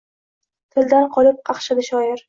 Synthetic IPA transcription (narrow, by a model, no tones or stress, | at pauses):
t̪ʰɪld̪anqʰɒlɪp̚qʰɑχʃɪd̪ɪʃɒjɪɾ